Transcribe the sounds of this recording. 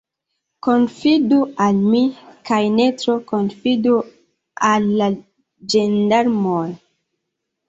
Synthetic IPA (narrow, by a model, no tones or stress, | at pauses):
konfidualmikajnetɾokonfidu | alːa | d͡ʒendaɾmoj